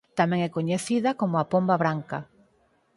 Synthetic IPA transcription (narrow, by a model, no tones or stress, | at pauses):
t̪amɛ̃ŋɛkoɲeθiðɐkomʊapombaβɾaŋkɐ